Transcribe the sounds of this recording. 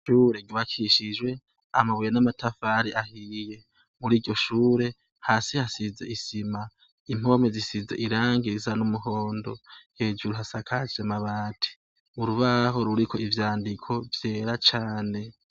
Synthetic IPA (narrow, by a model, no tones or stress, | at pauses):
ʃuːɾe̞ɡiβakʰiʃid͡ʒwe̞ | amaβujenamatʰafaɾiʔahiːje̞ | muɾiːɟɟo̞ʃuːɾe̞ | haːsihasize̞̰ʔisima | im̥o̞me̞zisize̞̰ʔiɾaːŋɡiɾizanumuɦo̞ːndo̞he̞ːd͡ʒuɾuɦasakʰad͡ʒemaβaːtʰi̥ | uɾuβaɦo̞ɾuɾikʰo̞ivjaːndikʰo̞vje̞ːɾat͡ʃaːne̞